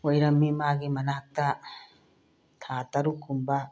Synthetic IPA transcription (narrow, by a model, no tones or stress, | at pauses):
ojɾɐmːimaːɡimɐnɐɦɐk̚t̪ɐ | t̪ʰaːt̪ɐɾukʰumbɐ